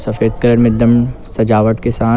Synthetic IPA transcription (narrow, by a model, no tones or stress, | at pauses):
sɐfeːd̪kɐɾəɾmẽd̪ɐmsɐd͡ʒaːʋəʈkesaː